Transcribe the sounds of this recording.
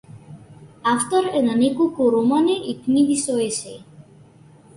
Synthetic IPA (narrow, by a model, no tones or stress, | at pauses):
aft̪oɾenanikukuɾomaneʔikniðisoese